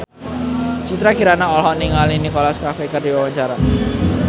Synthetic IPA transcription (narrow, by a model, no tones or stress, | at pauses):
t͡ʃit̪ɾakiɾanaɔlɦɔniŋalinikɔlaskafekərdiwawaɲt͡ʃaɾa